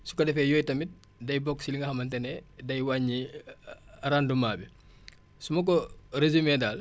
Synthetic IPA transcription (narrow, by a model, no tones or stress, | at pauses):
su̥kɐdɛfɛjɔjtɐmit̚ | dɐjbɔkːsiliŋɡɐhɐmɐntɛnɛdɐjwaɲːi | ɾandumaːbi | sumɐk̬ɔɾezumɛdal